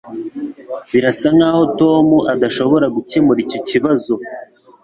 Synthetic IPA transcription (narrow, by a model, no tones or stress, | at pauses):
βiɾasaŋaho̞to̞ːmuʔadaʃo̞βo̞ɾaɡucemuɾico̞ciβazo̞